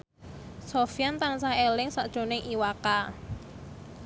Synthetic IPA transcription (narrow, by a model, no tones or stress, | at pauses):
sofijant̪aŋsaelɪŋsaʔd̥ʒ̥o̤nɪŋʔiwaka